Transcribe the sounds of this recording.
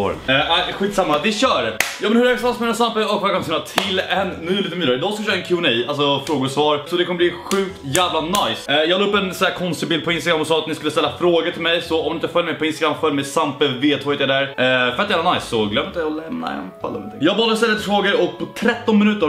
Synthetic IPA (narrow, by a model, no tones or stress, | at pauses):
ɛaɪɧiːt̪samːavɪɕœːɖjɑːmɛnhɵɾɛɾɛsasmɛnɛnsampəɔkfɔkɔmsnat̪ʰɪlɛnːyːlit̪əmyːəɾɪd̪ɔːsklʃœːɾaɛnkʰɪʊniːalsɔfɾoːɡʊsvɑːɾsɔd̪ɛkʰɔmːəb̪liɧʉ̟ːk̚t̪jæːvlanajsjɑːɡlːɵpːɛnsɔæːkʰɔnst̪ɪbɪld̪̚pʰɔɪnst̪aɡɾamːɔsɑːat̪nɪskɵləst̪ɛlːafɾoːɡəʈʰɪlmɛjsɔɔmɪt̪əfœljmɛjpɔɪnst̪aɡɾamːfœlmɛjsampəveːt̪ʰɔːjd̪ɛd̪æɾfœɾat̪d̪ɛaːnajsːɔɡlœmːɪnt̪ɔlɛmna̰ɛ̰nfa̰lːɔ̰ɔnʰɪ̰jɑːɡvɑːld̪əɔst̪ɛlːɪt̪fɾoːɡəɾɔk̚pʰɔt̪ʰɾɛt̪ːɔnmɪnʉ̟ːt̪əɾ